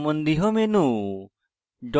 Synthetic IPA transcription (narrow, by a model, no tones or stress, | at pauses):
mɔnd̪iɦɔmenu | ɖɔ